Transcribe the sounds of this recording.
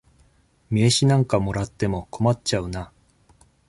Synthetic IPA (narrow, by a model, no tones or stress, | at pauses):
mʲieɕinãŋkamo̞ɾat̪ːe̞mo̞kʰo̞matt͡ɕaɯ̟na